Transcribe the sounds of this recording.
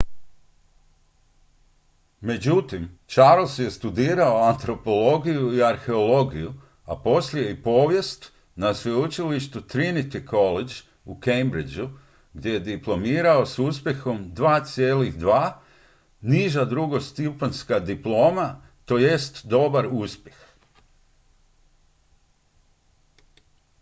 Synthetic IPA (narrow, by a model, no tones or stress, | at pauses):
me̞d͡ʑut̪imt͡ʃaɾlˠsje̞st̪ud̪iːɾaoant̪ɾo̞po̞lo̞ɡijuiaɾxe̞o̞lˠo̞ɡiju | apo̞sliipo̞ːʋje̞st̪ | nasʋeut͡ʃiliʃt̪ut̪ɾinit̪ikʰo̞led͡ʒ | ukejmbɾid͡ʒu | ɡd̪ʲje̞jed̪iplˠo̞miːɾao̞suspʲje̞xo̞md̪ʋaːt̪sje̞ːliɣd̪ʋaː | niʒad̪ɾuɡo̞st̪ipanskad̪iplˠo̞ːma | t̪o̞ːje̞st̪d̪o̞baɾuspʲje̞x